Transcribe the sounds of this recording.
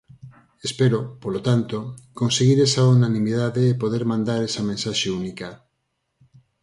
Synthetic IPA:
espeɾopolot̪ant̪okonseɣiɾesaunanĩmiðaðeːpoð̞eɾmãnd̪aɾesamẽnsaʃeunika

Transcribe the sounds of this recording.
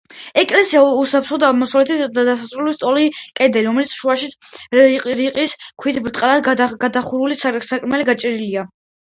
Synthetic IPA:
ɛkʼlɛsiausapʰɾχɔd̪amɔsavlɛt̪ʰid̪ad̪asasɾulɛlist̪ʼɔlikʼɛd̪ɛliɾɔmɛlit̪sʰʃuaʃi | ɾiqʼiskʰwit̪ʰbɾt̪ʼqʼalad̪ɡad̪aχuɾulissakʼɾmɛliɡat͡ʃʼɛɾilia

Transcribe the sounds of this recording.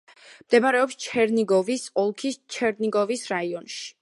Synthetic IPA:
md̪̥ɛbaɾɛɔpst͡ʃʰɛɾniɡɔvisɔlˠkʰist͡ʃʰɛɾniɡɔvisɾaiɔnʃi̥

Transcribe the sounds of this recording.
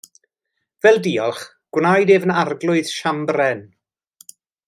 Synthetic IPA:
vɛlˠdiːɔlˠχ | ɡ̥wnajdeːvənarɡlˠʊɨð̥ʃambrɛn

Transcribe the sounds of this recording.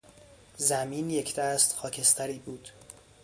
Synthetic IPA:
zæmiːnjecʰd̪æːst̪xɒːcʰe̞st̪ʰæɾiːbuːd̪̥

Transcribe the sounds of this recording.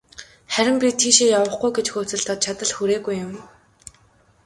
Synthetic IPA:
χæɾʲɪ̆mpʲit̪ʰiːʃeːjawə̆χɡujɡet͡ɕxoːt͡sɘ̆ɮt̪ʰɔt̪̚t͡ɕʰat̪ə̆ɮxuɾeːɣujːʊm

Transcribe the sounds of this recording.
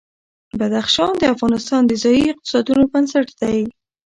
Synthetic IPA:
bad̪axʃɑnd̪əafɣɑnɪst̪ɑnd̪əzɑjiɪq̚t̪ɪ̥sɑd̪unobansaʈd̪aj

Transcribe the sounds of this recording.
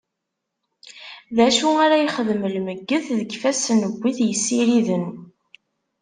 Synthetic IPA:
ðæʃuaɾæjəχəðməlməɡːəððəɡfæsnəɡʷːiθjəsːiɾiðən

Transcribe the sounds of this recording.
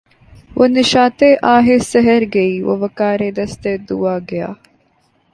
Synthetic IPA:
ʋoneʃaːt̪eːʔaːɦesɐɦɐɾɡeiːʋo̰ʋɐkaːɾeːd̪ɐst̪eːd̪uʋaːɡɐja̰ː

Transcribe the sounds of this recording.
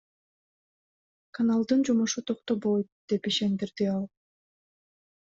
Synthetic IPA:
kʰanalˠd̪ɯnd͡ʒumuʃut̪ʰoqt̪oβojt̪̚d̪̥e̞piʃe̞nd̪iɾd̪iɑlˠ

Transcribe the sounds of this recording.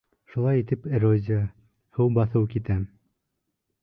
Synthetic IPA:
ʃulˠɑjit̪ɘpeɾozʲɪə | hɤwbɑθɤwkit̪æm

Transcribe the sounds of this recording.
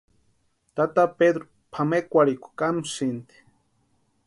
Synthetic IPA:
t̪at̪aped̪ɾo | pʰamekʷaɾikʷḁkamusint̪i̥

